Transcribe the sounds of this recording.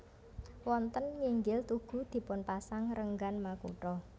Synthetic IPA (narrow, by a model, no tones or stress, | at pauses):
wɔnt̪ənŋiŋɡɪlt̪uɡ̥ṳd̪̥i̤pʊnpasaŋɾəŋɡanmakṵʈɔ